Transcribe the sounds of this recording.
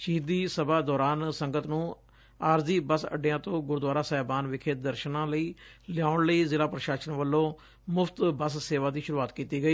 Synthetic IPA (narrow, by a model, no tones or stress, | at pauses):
ʃiːd̪iːsəbaːd̪ɔːɾaːnsəŋɡət̪nũː | aːɾziːbəsə̰ɖɪjãːt̪õːɡʊɾd̪waːɾaːsɛːɛbaːnʋɪkʰeːd̪əɾʃnãːləiːlɪjaːʊɳləiːzɪlaːpɾəʃaːʃənʋəlːõː | mʊfʰt̪bəsseːʋaːd̪iːʃʊɾuːaːt̪kiːt̪iːɡəiː